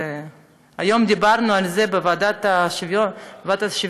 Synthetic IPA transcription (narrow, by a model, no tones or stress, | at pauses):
ajo̞md̪ibaɾnualzebevad̪at̪aʃivovat̪aʃiv